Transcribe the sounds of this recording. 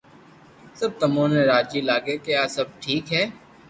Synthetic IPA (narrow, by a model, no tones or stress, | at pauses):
sɐb̚t̪əmõːnẽɾaːd͡ʒilaːɡekeaːsɐb̚ʈʰiːkɦɛː